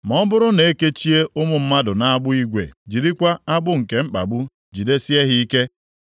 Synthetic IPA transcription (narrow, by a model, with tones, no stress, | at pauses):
mɔ˦bʊ˦ɾʊ˦ne˨e˦ke˦t͡ʃi˦e˦ʔʊ˦mʊ˨m̩˦ma˦dʊ˨na˦a˦ɡ͡bʊ˦i˦ɡʷḛ˨d͡ʒi˨ɾi˦kʷa˦a˦bʊ˦ŋ̩˨ke˨mŋ͡m̩˦k͡pa̰˨bu˦ | d͡ʒi˨de˦si˦e˦ɦi˦i˦ke˦